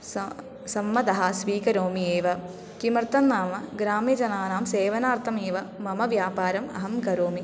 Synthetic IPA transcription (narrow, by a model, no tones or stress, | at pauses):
sɐmːɐd̪ɐɦɐsʋiːkɐɾoːmieːʋɐ | kimɐɾt̪ɐnːaːmɐɡɾaːmjɐd͡ʒɐnaːnaːmseːʋɐnaːɾt̪ʰɐmeːʋɐmɐmɐʋjaːpaːɾɐmɐ̰ɦɐmkɐɾoːmi